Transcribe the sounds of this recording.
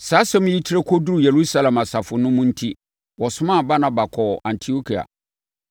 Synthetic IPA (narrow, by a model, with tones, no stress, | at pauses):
saː˨˦sɛ̃˦m̃˦ji˦tʰi˦ɾe˦kʰɔ˦du˦ɾu˨je˨ɾu˦sa˦lɛ̃˨ma˨sa˨fʊ˨nʊ̃˦mʊ̃˦n̩˦tʰi˦ | wɔ˨sʊ˦mã˦˨ba˦nã˨ba˨kʰɔ˨ã˨ntʰi˨o˦kʰi˨a̰˨